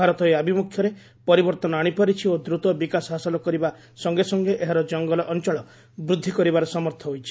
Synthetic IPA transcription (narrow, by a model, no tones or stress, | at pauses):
aɾɔt̪ɔiabʱimukʰːjɔɾe | pɔɾibɔɾt̪ɔnɔaɽ̃ipaɾit͡ʃʰiod̪ɾut̪ɔbikasɦasɔlɔkɔɾiba | sɔŋɡesɔŋɡeʔeɦaɾɔd͡ʒɔŋɡɔlɔʔɔnt͡ʃɔɭɔ | bɾud̪ʱːikɔɾibaɾɔsɔmɔɾt̪ʰɔɦojt͡ʃʰi